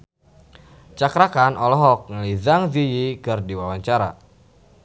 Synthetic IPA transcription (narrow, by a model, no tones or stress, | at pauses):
t͡ʃakɾakanʔɔlɔɦɔk̚ŋəlizaŋzijikərdiwawaɲt͡ʃaɾa̰